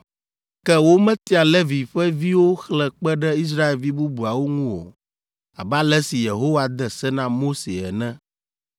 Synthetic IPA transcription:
kɛ˦wo˦mɛ̃˦t̪i˦a˨le˦vi˨ɸɛ˦vi˦wo˦xlɛ˨k͡pɛ˦ɖɛ˦i˦s̬ɾa˦e˨lvi˦bu˦bu˨a˨wo˦ŋũ˦wo̰˨ | a̰˨ba˦lɛ˦si˨je˨ɦo˦wa˨d̪ɛ˨sɛ˦nã˦mo˦se˨ɛ̰˨nɛ̃˦

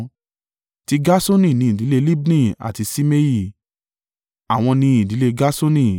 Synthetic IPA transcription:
ti˦ɡa˦so˦nĩ˦˨nĩ˨˦ĩ˨di˨˦le˦˧li˦bnĩ˦˨a̰˨ti˧si˦me˦ji˦˨ | a˨w̃ɔ̃˧nĩ˧˦ĩ˨di˨˦le˧ɡa˦so˦nĩ˦

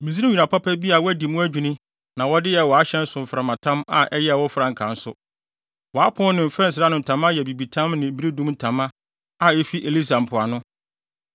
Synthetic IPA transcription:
mĩ˨zi˦nĩ˦ɲᶣu˨nã˨pʰa˦pʰɛ˦bi˦a˨wɔ˦æ˦di˨mʊ̃˦æ˦d͡ʑᶣu˨nĩ˦ | nã˨wɔ˦dɪ˦jɛ˨wɔ˨a˦ɕɛ̃˦n̩˦sʊ̃˨m̩˨fɾã˨mã˨tʰã˦ma̰˨ʔɛ˦jɛ˦ɛ˨wɔ˦fɾã˨ŋ̩˨kʰã˨n̩˦sʊ˦ | wɔ˨a˦pʰʊ̃˦nɪ̃˨m̩˨fɾɛ˦n̩˨s̬ɪ˨ɾa˦nʊ̃˨n̩˨tʰã˨˦m˦a˦jɛ˨bi˨bi˨tʰã˦mnɪ̃˨m̩˨bi˦ɾi˦dũ˦mn̩˦tʰã˨mã˦ | a˨ɛ˦fi˦ʔe˨li˦sa˨m̩˨pʰʊ˨a˨nʊ̃˦

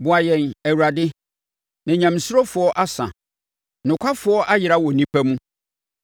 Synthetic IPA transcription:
bʊ˨a˨jɛ̃˨næ˨wu˨ɾa˨dɪ˦ | nã˨ɲã˨m˨sʊ˦ɾɔ˦fʊ˨ɔ˦ʔa˦sã̰˨ | nʊ̃˨kʷʰa˦fʊ˨˦ɔ˦ʔa˦jɪ˨ɾa˦wɔ˨nĩ˦pʰæ˦mũ˦

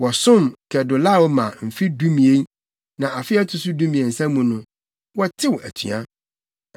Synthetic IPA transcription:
wɔ˨sʊ̃˦˨mkʰɛ˨dʊ˨la˦˨wmã˨m̩˨fi˦dũ˦mĩ˨e˦ | nã˨ʔa˨fɪ˦ɛ˦tʰʊ˨sʊ˦dũ˦mĩ˨e˨n̩˨sæ̃˦mũ˨nʊ̃˦ | wɔ˦tʰɪ˦wʔæ̰˨tʰɥ̰a̰˦

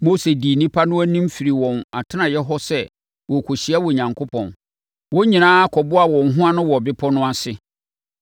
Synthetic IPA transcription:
mo˦se˨di˨nĩ˦pʰa˦nʊ̃˦æ˦nĩ˦m̩˦fi˨ɾi˨wɔ̃˨na˨tʰɪ˦nã˨jɛ˦ɦɔ˦sɛ˦ | wɔ˨kʰo˨ɕi˨a˦wɔ˨ɲã˨ŋkʰo˦pʰɔ̰̃˨n | wɔ˦ɲĩ˨nãː˦kʰɔ˨bʊ˦a˨wɔ̃˨n̩˨ɦʊ̃˦a˦nʊ̃˦wɔ˨bɪ˦pʰɔ˦nʊ̃˦a˦sɪ˨

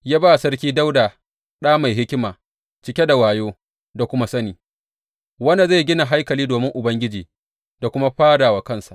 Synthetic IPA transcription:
jaː˦baː˦˨sɐ˦rkʲiː˦da˦wdaː˨ | ɗaː˦ma˨jɦɪ˦kʲɪ˦maː˨ | t͡ʃɪ˦kʲe˦da˨waː˨joː˦ | da˨kʷʊ˦ma˦sɐ˦niː˨ | wɐ˦na˨za˦˨ɡʲɪ˦na˨ɦa˦jkɐ˨liː˦doː˨mɪ˦ŋʔʊ˨bɐ˦ŋɡʲɪ˦d͡ʒiː˨ | da˨kʷʊ˦ma˦ɸaː˦daː˨wa˨kɐ˦˨nsa˨ʔ

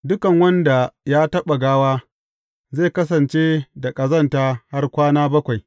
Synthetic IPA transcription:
dʊ˦kɐ˨ŋwɐ˦nda˨jaː˦tɐ˦ɓa˨ɡaː˦waː˦ | ze˦˨kɐ˦s̬ɐ˨nt͡ʃeː˦da˨kʼɐ˨zɐ˦ntaː˦ha˦rkʷaː˦naː˦bɐ˦kʷa˨j

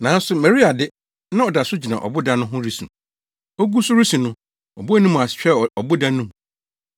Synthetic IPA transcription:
nã˨˦n̩˦sʊ˦mɛ˨ɾi˦a˨dɪ˦ | nã˦ɔ˨da˨sʊ˦d͡ʑi˨nã̰˨ʔɔ̰˨bʊ˦dã˦nʊ̃˦ɦʊ̃˦ɾi˦sṵ̃˨ | ɔ˦ɡu˦sʊ˦ɾi˦sũ˨nʊ̃˦ | ɔ˨bʊ˦æ˦nũ˦m̃˨a˨sɕᶣɛ˦ɔ˨bʊ˦dã˦nũ˦m

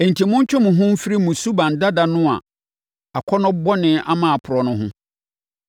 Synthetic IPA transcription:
e˨n̩˨tʰi˨mʊ̃˦ɲ˦t͡ɕʰᶣʊ̃˦mʊ̃˨ɦʊ̃˦m̩˦fi˦ɾi˦mũ˨su˦bã˨n˨da˦da˦nʊ̃˦a̰˨ | a˨kʰɔ˦nʊ̃˦bɔ˦nɪ̃˦ʔa˦mãː˨pʰʊ˨ɾɔ˨nʊ̃˦ɦʊ̃˦

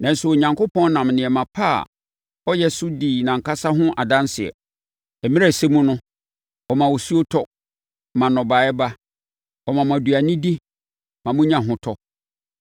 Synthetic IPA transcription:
nã˨n̩˦su˨o˨ɲã˨ŋko˦pʰɔ̃˦n˦nã˨mnɪ̃˨ɛ˨mã˨pʰa̰˦˨ | ɔ˦jɛ˦sʊ˦diː˨nã˨ŋ̩˨kʰa˦sa˦ɦʊ̃˦ʔa˨dã˦nsɪ˨ɛ̰˨ | ɛ˨mĩ˦ɾa˨se˦mũ˦nʊ̃˦ | ɔ˨mã˨wo˨su˦o˦tʰɔ˦ | mã˨nɔ̃˨ba˨˦ɛ˦ba˦ | ɔ˨mã˨mã˨du˨a˨nɪ̃˦di˦ | mã˨mʊ̃˦ɲã˨ɦʊ̃˦tʰɔ˦

